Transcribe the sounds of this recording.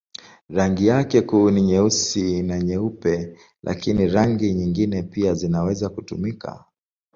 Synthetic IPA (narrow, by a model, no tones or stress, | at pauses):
ɾaŋɡijakɛkuːniɲɛusinaɲɛupɛ | lʔa̰kiniɾaŋɡiɲiŋɡinɛpiazinawɛzakutṵmika̰